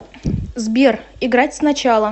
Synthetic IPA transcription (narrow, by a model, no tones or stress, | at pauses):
zbʲerɪɡɾatʲsnɐt͡ɕalˠə